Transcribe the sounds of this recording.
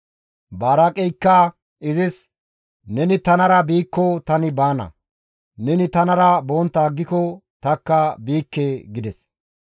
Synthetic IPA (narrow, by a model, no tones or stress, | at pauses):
baːɾɐkʼɛjkːa | ʔɪzɪs | nɛnɪt̪ɐnɐɾɐbiːkːɔt̪ɐnɪbaːnɐ̰ | nɛnɪt̪ɐnɐɾɐboːnt̪ːaːɡːɪkɔt̪ɐkːɐbiːkːeːɡɪd̪ɛs